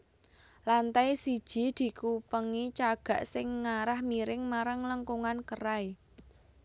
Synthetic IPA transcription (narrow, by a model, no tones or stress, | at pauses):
lant̪ajsid̥ʒ̥i̤d̪̥i̤kupəŋit͡ʃaɡ̥a̤ʔsɪŋːaɾahmiɾɪŋmaɾaŋləŋkuŋankəɾai